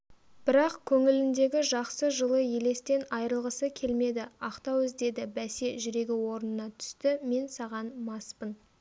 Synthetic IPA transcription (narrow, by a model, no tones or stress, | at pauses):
b̥ɪɾɑqkʲʰɵŋɪlɪnd̪e̞ɡʲɪʒɑqsəʒəlˠəje̞le̞st̪e̞nɑjɾəlˠʁəsəkʲʰe̞lme̞d̪ɪɑqt̪ɑwɪzd̪e̞d̪ɪbæse̞ʒʏɾe̞ɡʲɪwo̞ɾənənɑt̪ʰʏ̥st̪ɪme̞nsɑʁɑnmɑspən